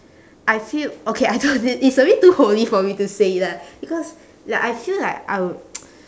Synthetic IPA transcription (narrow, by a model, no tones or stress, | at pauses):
ʔaɪfilokʰeaɪdoiitsõnlituholifɔmitusedɛt̚b̥ikɔs | laʔaɪfillaɪka̰ɪw